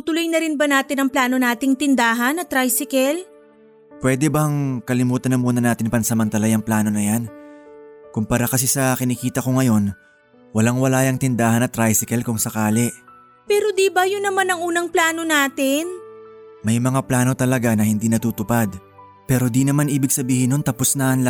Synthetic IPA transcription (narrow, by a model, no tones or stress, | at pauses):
t̪ʊlojnɐɾɪnbɐnaːt̪ɪnɐŋplaːno̞naːt̪ɪŋt̪ɪnd̪aːɦɐnɐt̪ɾajsɪkɛl | pwɛːd̪ɛbɐŋkɐlɪmuːt̪ɐnɐmuːnɐnaːt̪ɪnpɐnsɐmɐnt̪ɐlajɐŋplaːno̞nɐjan | kʊŋpɐɾakɐsisɐkɪnikiːt̪ɐkoŋɐjo̞n | wɐlaŋwɐlaːjɐŋt̪ɪnd̪aːhɐnɐt̪ɾajsɪkɛlkʊŋsɐkaːlɛʔ | pɛːɾod̪ibɐjʊnːɐmanɐŋuːnɐŋplaːno̞naːt̪ɪnmɐjmɐŋaplaːno̞t̪ɐlɐɡanɐhɪnd̪iːnɐt̪uːt̪ʊpad̪ | pɛːɾo̞d̪inɐmanʔiːbɪɡsɐbiːhɪnont̪ɐpʊsnaʔɐnl